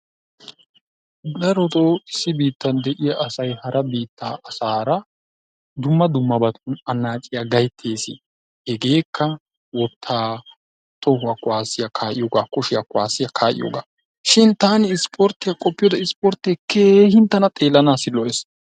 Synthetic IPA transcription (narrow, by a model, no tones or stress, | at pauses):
d̪ɐɾɔt̪oɪsːɪbiːt̪ːɐnd̪ɛʔɪjɐʔɐsɐjhɐɾɐbiːt̪ʰːaːʔɐsaːɾɐ | d̪ʊmːɐd̪ʊmːɐbɐt̪ːʊnɐnaːt͡ʃʼɪjaɡɐjt̪ʰːeːsɪ̰ | hɛɡe̞ːkʰːɐ | wɔt̪ʰːaː | t̪ɔɦʊakʊwaːsːɪjɐkʰaːʔɪjoːɡaːkʊʃɪjakʊwaːsɪjɐkʰaːʔɪ̰jo̰ːɡaː | ʃɪnt̪aːnɪɪspʰʼɔɾt̪ːɪjakʼɔpːɪjoːd̪ɐɪspɔɾt̪ekeːhɪnt̪ːɐnɐt̪ʼe̞ːlːɐnaːsɪlɔʔes